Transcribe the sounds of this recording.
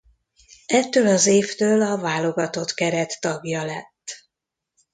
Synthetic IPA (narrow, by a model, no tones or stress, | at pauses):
ɛt̪ːøːlɒzeːft̪øːlɒvaːlo̞ɡɒt̪o̞t̪kɛɾɛt̪ːɒɡjɒlɛt̪ː